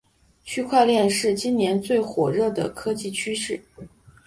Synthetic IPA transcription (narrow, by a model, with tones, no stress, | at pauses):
t͡ɕʰy˥kʰwa˥˧ɪljɛ˥˧nʂɻ̩˥˩t͡ɕi˥nnjɛ˧˥nt͡swe˥˩ɪxwɔ˨˩ɻɤ˥˩d̪ə̰˩kʰɤ˥t͡ɕi˥˩t͡ɕʰy˥ʂɻ̩˥˩